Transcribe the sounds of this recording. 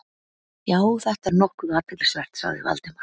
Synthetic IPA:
jaːwθɛht̪aɾnɔhkʏaːt̪aklɛsvɛr̥t̪sa̰ɣðɪ̰va̰lt̪ɪmaɾ̥

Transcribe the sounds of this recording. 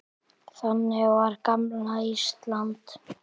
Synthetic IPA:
θanːɪvaɾkamlaist̪lant̪

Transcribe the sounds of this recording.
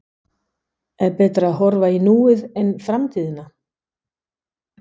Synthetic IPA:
ɛɾpɛːt̪ɾaːðɦɔɾvainuːɪðɛnfɾamt̪ʰiːðɪna

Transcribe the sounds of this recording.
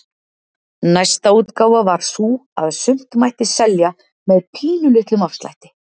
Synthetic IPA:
najst̪auːt̪kaːwavaɾ̥suaðsʏm̥t̪majht̪ɪsɛlja | mɛðpʰiːnʏlʏht̪lʏmafst̪la̰jht̪ɪ̥

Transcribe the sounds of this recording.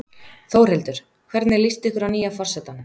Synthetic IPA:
θowr̥ɛlt̪ʏɾ̥ | kʰvɛɾt̪nɪlist̪ɪhkʏɾawniːjafɔr̥sɛt̪anːʏ

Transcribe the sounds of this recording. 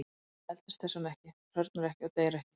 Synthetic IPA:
ɛlt̪ɪ̥st̪θɛsamɛhcɪr̥œɾt̪naɾɛhcɪat̪eːjɾɛhcɪ̥

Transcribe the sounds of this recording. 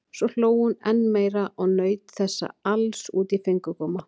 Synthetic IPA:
svɔl̥oːwhunɛnːmeːjɾaʔɔɣnœːɥt̪θɛsːa̰alsuːt̪ifejŋkʏkɔːma

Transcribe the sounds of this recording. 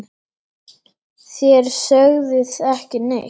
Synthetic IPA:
θjɛɾ̥sœɣðɪθɛhcɪnḛ

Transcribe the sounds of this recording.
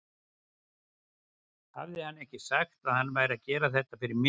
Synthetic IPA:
ha̰vðɪhanːɛhcɪsaxt̪aðhanːvaːjɾɪaðcɛːɾaθɛt̪ːafɪɾɪɾmɪ

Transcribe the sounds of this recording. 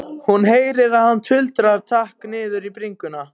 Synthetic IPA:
hunɦeːjɾɪɾaðhanːt̪ʰʏlt̪ɾaɾt̪ʰahknɪːðʏɾipɾiŋkʏna

